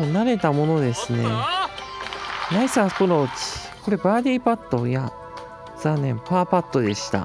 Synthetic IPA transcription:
naɾe̞t̪amo̞no̞d̪e̞sɨne̞ | naisaːskonot͡ɕi̥ | ko̞ɾe̞baːd̪ʲiːpat̪ːo̞ja | z̥anːẽ̞mpaːpat̪ːo̞d̪e̞ɕi̥t̪a̰

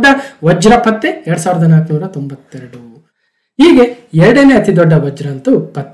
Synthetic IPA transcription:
ɖːɐʋɐd͡ʒɾɐpɐt̪ːeɛɾɐɽusaːʋɾɐd̪ɐnaːknuːɾɐt̪ombɐt̪ːɛɾɐɽu | ɦiːɡe̞ɛɾɐɽɐneɐt̪id̪ɔɖːɐʋɐd͡ʒɾɐnt̪upɐt̪ːe

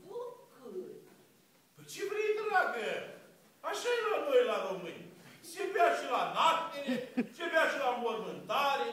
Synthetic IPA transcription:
ok | pɨt͡ʃevɾeid̪ulaɡə | aʃajelonojlaɾomɨ̰nʲt͡ʃebeaʃilanak̚t̪eɾet͡ʃebeaʃilamormɨnt̪aɾe

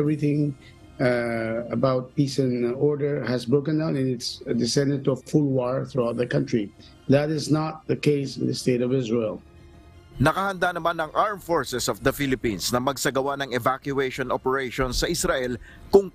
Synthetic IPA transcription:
ɛvɹiθɪ̃ŋ | əbaʊt̚pisɨ̃nɔɹdə˞hɨzbɹoʊkɨ̃ndãʊ̃nɨ̃nɪtsdɨsɛ̃ndɨ̃d̚tufʊlˠwɔɹθɹuat̪ðəkʌ̃ntɹ̥i | ðæɾɪznət̪̚ðəkeɪsɪ̃nðəsteɪɾɔvɪzɹelˠ | nɐkahɐnd̪anɐmanɐŋʔaɹmfɔɹsɛsɔfd̪ɐfilɪpĩnsnɐmɐɡsɐɡɐwanɐŋɛvakjʊeʃɔnopɛɹejʃɔ̃nsːɐʔɪsɾaʔɛl | kʊŋ

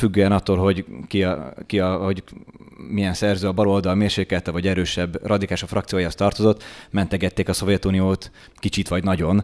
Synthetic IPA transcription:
fyɡːøːɛnɒt̪ːolɦo̞ɟkikiɒhoɟ | mijɛnsɛrzøːɒbɒlo̞ld̪ɒlmeːrʃeːkɛlt̪ɛvɒɟɛɾøːʃɛbːrʔɒd̪ikaːlʃofrɒkt̪sijoːjaost̪ɒrt̪ozo̞t̪ːmɛnt̪ɛɡɛt̪ːeːkɒso̞vjɛt̪unijoːt̪ | kit͡ʃit̪ʋɒɟnɒɟo̞n

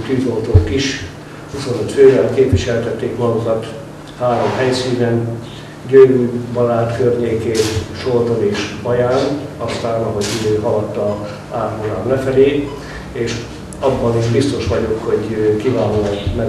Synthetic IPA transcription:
t̪yːzolt̪oːkiʃ | huso̞nøt̪føːvɛlkeːpʋiʃɛlt̪ɛt̪ːeːkmɒɡokɒt̪ | haːɾo̞mɦɛjsiːnɛn | ɟøɾyːbɒlaːt̪kørɲeːkeːt̪ʃolt̪oneːʃbɒjaːnɒst̪aːnɒɦo̞ɟid̪øːɦɒlɒt̪ːɒ | aːrholaːmlɛfɛleː | eːʃ | ɒbːɒniːʃbist̪o̞ʃʋɒɟo̞kho̞ɟkivaːloːlɛkmɛ

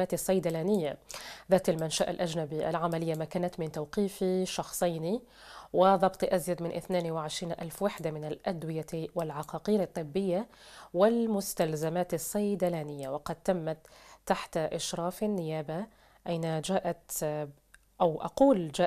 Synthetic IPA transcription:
aːt̪ɨsˤːɑjd̪alaːnɪjːaðaːt̪almanʃaʔa̰lʔad͡ʒnabiʔa̰lʕamalɪjːamaːkaːnat̪mɪnt̪awqiːfiʃɑxsˤɑjni | wɪðˤɑbt̪ˤʔazjad̪mɪnʔɪθnaːnwɪʕɪʃɾiːnʔa̰lfwaħd̪amɪnalʔad̪wɪjawɪlʕaqɑːqiːɾɑt̪ˤːɨbːɪjːa | wɪlmʊst̪alzamaːt̪ɪsˤːɑjd̪alaːnɪjːawɑqɑd̪̚t̪ːamːat̪ːaħt̪aʔɪʃɾˤɑːfanːɪjaːba | ʔajnad͡ʒaːʔat̪ | ʔawʔa̰quːld͡ʒaː

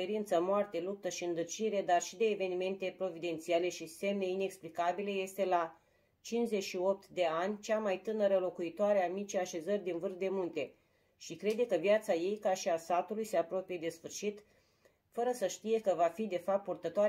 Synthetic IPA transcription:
eɾint̪səmoart̪e̞lup̚t̪əʃiɨnd̪ɨrt͡ʃiɾe̞d̪arʃid̪e̞ːve̞nime̞nt̪e̞pɾo̞vid̪e̞nt̪siale̞ʃise̞mne̞ine̞ksplikabileje̞st̪e̞la | t͡ʃint͡ʃze̞t͡ʃʃio̞p̚t̪d̪e̞anʲt͡ʃamajt̪ɨnəɾəlo̞kuit̪oaɾeamit͡ʃejaʃe̞zərʲd̪invɨrd̪e̞munt̪e̞ | ʃikɾe̞d̪e̞kəvijat̪saje̞jkaʃiasat̪ulujse̞apɾo̞pije̞d̪e̞sfɨrʃit̪ | fəɾəsəʃt̪ije̞kəvafid̪e̞fap̚t̪̚purt̪ət̪oaɾ

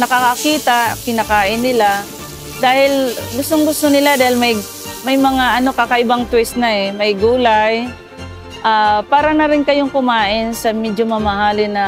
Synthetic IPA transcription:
nɐkakakiːt̪akɪnɐkaːʔɪnːɪla | d̪aːhɪlɡʊst̪oŋɡʊst̪onɪlad̪aːhɪlmɐj | mɐjmɐŋaʔɐno̞kaːkɐʔɪbaŋt̪wɛst̪̚nɐɛmɐjɡuːlaj | ʔaːpaːɾɐnɐɾɪnkɐjoŋkʊmaːʔɪnsɐmɛdomɐmɐhaːlɪnɐ

